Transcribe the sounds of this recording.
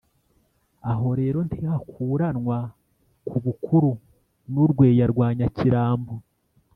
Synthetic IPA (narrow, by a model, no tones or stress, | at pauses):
aɦo̞ɾe̞ːɾo̞ntehakʰuːɾanŋwa | kʰuβukʰuɾu | nuɾɡwe̞ːjaɾɡwaːɲaciɾaːmbo